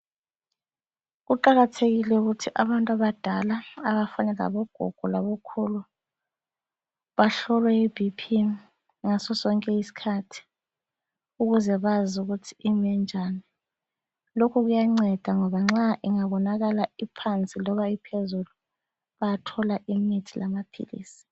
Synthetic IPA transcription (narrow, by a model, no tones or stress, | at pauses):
ɣuǃaɣatʰeɣilɛuɣutʰiʔaβantʼaβad̥ʱalaaβafanɛla̰βɔɡ̥ʱɔ̰ɡ̥ʱɔlaβokʰulu | βaɬɔlwɛib̥ʱipʰi | ŋasɔsɔŋkʼɛisi̥kʰatʰi̥ | uɣuzɛβazuɣutʰiʔimɛnd͡ʒʱani | lokʰuɣujaŋ͡ǀɛd̥ʱaŋɔβaŋ͡ǁaʔiŋaβɔnaɣalaipʰant͡sʼilɔβaipʰezulu | βajatʰɔlaʔimitʰilamapʰḭlḭːsi̥